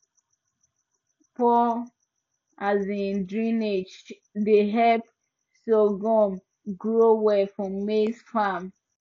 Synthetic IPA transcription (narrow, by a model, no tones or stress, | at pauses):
pɔ | azĩndɹĩned͡ʒ | dəɦɛp | soɡɔm | ɡɹowɛfɹɔ̃mːesfam